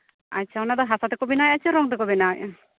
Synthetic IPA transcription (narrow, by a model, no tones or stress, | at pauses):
a̰t͡ʃːʃʰaɔnad̪ɔɦasat̪ekɔbinajat͡ʃʰaɾɔŋt̪ekɔbinaj